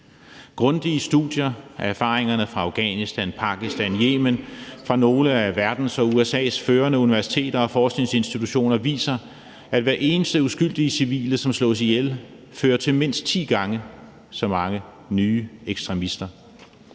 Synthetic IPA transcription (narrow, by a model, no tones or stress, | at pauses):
ɡ̥ʁɔ̽nd̥iəsd̥ṵd̥jɐææɐfɑ̈ːʁeŋɐnəfʁɑ̈ɑ̈ʊɡ̥ɛ̰ːnisd̥ænpʰɑ̈ɡ̥isd̥ænjeːmənfʁɑ̈no̝ːləæʋæɐd̥n̩sɒ̽uesɛ̰ːsføːɐnəuniʋæɐsi̥t͡sʰe̝̰ːd̥ɐɒ̽fɒːsɡ̥ne̝ŋse̝nsd̥it͡sʰuɕo̝̰ːnɐʋḭːsɐ | æd̥ʋæɐʔe̝ːnəsd̥əusɡ̥yl̰d̥isiʋḭːlɐsɒ̽mslɔ̰̽ːs̬ijel | føːɐt͡sʰe̝lme̝n̰sd̥̚t͡sʰḭːɡ̥ɑ̈ŋə | sɒ̽mɑ̈ŋə | nyːeɡ̥sd̥ʁɛmisd̥ɐ